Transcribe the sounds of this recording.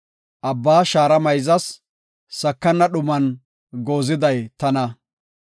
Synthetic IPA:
ʔɐbːaːʃaːɾɐmɐjzɐs | sɐkːɐnːɐɗʊmɐn | ɡo̞ːzɪd̪ɐjt̪ɐnɐ

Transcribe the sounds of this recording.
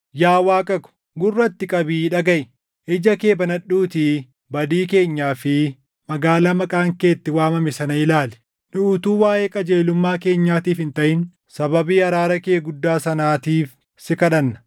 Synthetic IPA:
jaːwaːkʼɐkʊ̥ | ɡʊrːɐt̪ːɪkʼɐbiːᶑɐɡɐʔɪ | ʔɪd͡ʒɐke̞ːbɐnɐɗːuːt̪i | bɐd̪iːke̞ːɲːaːfɪ | mɐɡaːlamɐkʼaːŋkeːt̪ːɪwaːmɐmɛsɐnɐɪlaːlɛ̥ | nʊʊt̪uːwaːʔeːkʼɐd͡ʒe̞ːlʊmːaːke̞ːɲːaːt̪iːfɪnt̪ɐʔɪn | sɐbɐbiːɐɾaːɾɐke̞ːɡʊd̪ːaːsɐnaːt̪iːf | sɪkɐᶑɐnːɐ̥

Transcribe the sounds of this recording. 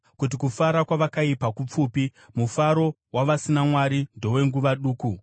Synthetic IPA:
kut̬ikufaɾakwaʋakaipakup͡fuːpi | mufaɾo̞ | waʋasinamwaɾindo̞we̞ŋɡuʋaɗuːku

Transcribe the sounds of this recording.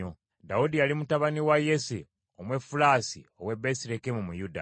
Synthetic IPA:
o | daudijalimutaβaniwajese | omwe̞fulaːsḭo̞we̞besiɾekemumujuda̰

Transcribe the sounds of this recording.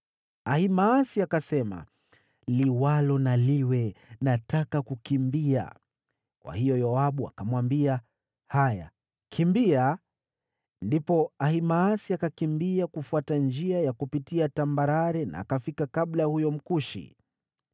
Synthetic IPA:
ahimaːsiakasɛma̰ | liwalɔnaliwɛnatakakukimbia̰ | kwa̰hijɔjɔaɓua̰kamwambia | haja̰ | kʰimbia | ndipɔahimaːsiakakimbiakufuatand͡ʒiajakupitiatambaɾaɾɛna̰ːkafikakaɓlajhujɔm̩kuʃḭ

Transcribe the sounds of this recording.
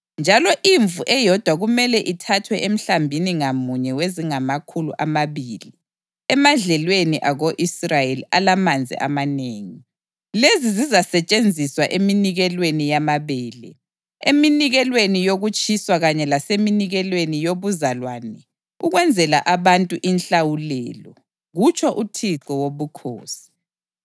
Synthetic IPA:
nd͡ʒʱalɔʔiɱvuʔɛjɔd̥ʱwaɣumɛlɛʔitʰatʰwɛʔem̩ɬambʱiniŋamuɲɛweziŋamakʰulṵʔamaβiːli | ɛmaɮɛlweniʔaɣoʔisrajeliʔalamand͡zʱḭʔa̰maneːŋi | lezizizasɛt͡ʃʼend͡zʱiswaʔeminiɣɛlwenijamaβɛːlɛ̰ | eminiɣɛlwenijoɣut͡ʃʼiswaɣaɲɛlaseminiɣɛlwenijoβuzalwanɛ | uɣwɛnd͡zʱɛla̰ʔaβantʼuʔinɬawulɛːlɔ | ɣut͡ʃʰʼɔʔutʰiǁɔwoβukʰo̰ːsi̥

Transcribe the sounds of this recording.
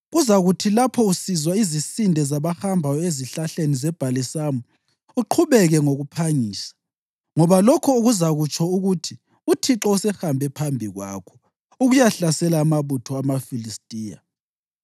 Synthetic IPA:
ɣuzaɣutʰilapʰɔusizwaizisindʱɛzaβaxambʱajɔeziɬaɬenizɛb̥ʱalisamu | uǃʰuβɛɣɛŋoɣupʰaɲiːsḁ | ŋɔβalɔkʰɔuɣuzaɣut͡ʃʰʼɔuɣutʰi | utʰiǁɔusɛxambʱɛpʰambʱiɣwa̰kʰɔ̥ | uɣujaɬasɛlaːmaβutʰɔamafilistʼiːja̰

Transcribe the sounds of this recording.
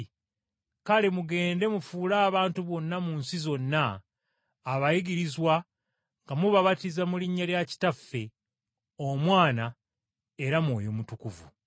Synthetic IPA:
kalemuɡe̞ːnde̞mufuːlaːβaːntuβo̞nːamunsizo̞nːaː | βajiɡiɾizwa | ŋɡamuβaβatizamuliɲːaljaci̥tafːe̞ | o̞mwaːna | eɾamwo̞ːjomutukuvṵ

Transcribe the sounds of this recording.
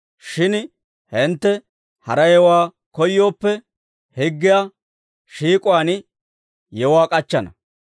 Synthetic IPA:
ʃɪn | hɪnt̪ːɛ | hɐɾɐjɛwaː | kɔjːo̞ːpːɛ | hɪɡːɪjaː | ʃiːkʼʊwaːn | jɛwaːkʼɐt͡ʃːɐnɐ̰

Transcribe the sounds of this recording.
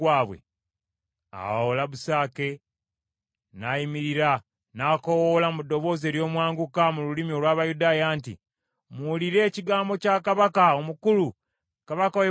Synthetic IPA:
aːβwḛ | a̰olaβusaːke̞ | naːjimiɾiɾa | naːko̞wolamudːo̞βo̞ːze̞ːɾjo̞ːmwaːŋɡukamululimio̞lwaːβajudaːjaːntḭ | mwuliɾe̞ːciɡaːmbo̞cakaβakao̞mukulu | kaβakawe

